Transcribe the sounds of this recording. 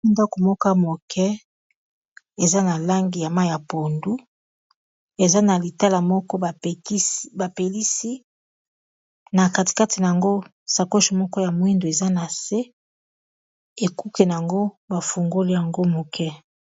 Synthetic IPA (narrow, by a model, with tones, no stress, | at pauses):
i˦nda˦ko˨mɔ˦ka˦mo˨kʰɛ˦ | e˨za˦na˨la˦ŋɡi˨ja˨ma˦ja˨po˨ndu˦ | e˨za˦na˨li˨ta˦la˨mɔ˦kɔ˦˨˦ba˨pe˨li˦si˦ | na˨ka˦ti̥˨ka˦ti˨na˨ja˨ŋɡo˦ | sa˨ko˦ʃi˨mɔ˦kɔ˦ja˨mwi˦ndo˨e˨za˦na˨se˦ | e˨ku˦ke˨na˨a˨ŋɡo˦ | ba˨fu˨ŋɡo˦li˦ja˨ŋɡo˦mo˨kʰɛ˦